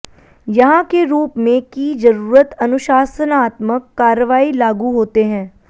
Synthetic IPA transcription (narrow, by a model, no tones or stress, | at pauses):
jɐɦãkeɾuːpmẽkid͡ʒɐɾuːɾət̪ɐnʊʃaːsənaːt̪məkːaːɾəʋaːilaːɡuɦoːt̪eɦɛ̃ː